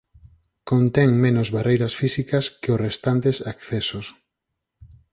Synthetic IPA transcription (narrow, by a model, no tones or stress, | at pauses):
kont̪ɛŋmẽnozβarejɾɐsfisikɐskeʊsrest̪ant̪esakθɛsos